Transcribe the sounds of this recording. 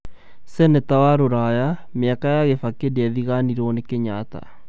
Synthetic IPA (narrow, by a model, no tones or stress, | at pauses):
sɛnɛtawaɾoɾajameakajaɣefakedeaðiɣaniɾɔnekeɲata̰